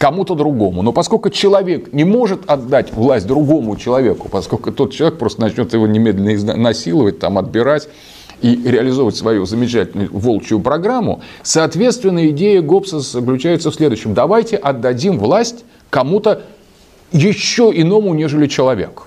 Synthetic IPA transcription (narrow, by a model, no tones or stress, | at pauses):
kɐmut̪əd̪ɾʊɡo̞mʊno̞pɐsko̞lʲkʊt͡ɕɪlˠɐvʲe̞knʲɪmo̞ʐɨt̪ɐd̪ːatʲvlˠasʲt̚ʲd̪ɾʊɡo̞mʊt͡ɕɪlˠɐvʲe̞kʊ̥pɐsko̞lʲkʊt̪o̞t̪̚t͡ɕɪlˠɐvʲekpɾo̞st̪ənɐt͡ɕnʲo̞t̪jɪvo̞nʲɪmʲed̪lʲɪnəɪz̰nɐsʲilˠəvət̚ʲt̪amɐd̪̚bʲɪɾatʲ | iɾʲɪəlʲɪzovətʲsvɐjuzəmʲɪt͡ɕætʲɪlnʊjʊvo̞lˠt͡ɕʊʊpɾɐɡɾamːʊ̰ | sɐːt̪vʲe̞t̪st̪vʲɪnːəjəɪdʲejəɡo̞psəsəklʲʉt͡ɕæjɪt̪səfsʲlʲe̞d̪ʊɕːɪmd̪ɐvajtʲɪʔɐd̪ːɐdʲimvlˠasʲtʲ | kɐmut̪ə | jɪɕːoɪno̞mʊnʲe̞ʐɨlʲɪt͡ɕɪlˠɐvʲe̞̰k